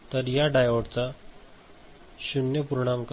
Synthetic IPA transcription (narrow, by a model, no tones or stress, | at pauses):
t̪əɾjaɖajʋoɽt͡sa | ɕunjəpuɾoɳ̃amk